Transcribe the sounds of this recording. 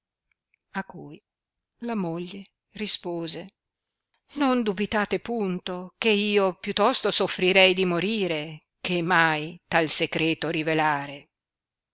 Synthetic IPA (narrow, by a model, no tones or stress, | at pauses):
akːuj | lamoʎːe | rispoːze | nond̪ubit̪aːt̪epunt̪okeiːopjut̪ːɔst̪osofɾiɾɛjd̪imoɾiːɾe | kemːajt̪alseɡɾɛːt̪oɾivelaːɾe